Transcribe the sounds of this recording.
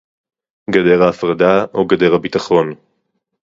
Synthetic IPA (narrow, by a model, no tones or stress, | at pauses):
ɡadeʁaːfʁadaʔoɡade̞ʁhabitaχo̞n